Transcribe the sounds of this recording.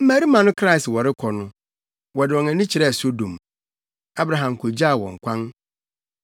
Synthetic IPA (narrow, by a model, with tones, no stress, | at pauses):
m̩˦mæ˦ɾi˦mã˨nʊ̃˦kʰɾa˦i˨swɔ˨ɾɪ˦kʰɔ˨nʊ̃˦ | wɔ˨dɪ˨wɔ̃˨næ̃˨nĩ˦t͡ɕʰɪ˨ɾɛ˦˨so˦dõ˨m | a˦bɾa˨ɦã˨m˨kʰo˨d͡ʑa˦˨wɔ̰̃˨ŋ̩˨kʷʰã˦n